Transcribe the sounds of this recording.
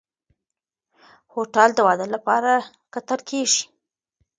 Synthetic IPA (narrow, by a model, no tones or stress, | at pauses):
hoʈɑld̪əwɑd̪əlapɑɾa | kat̪aɾkʰeʒi̥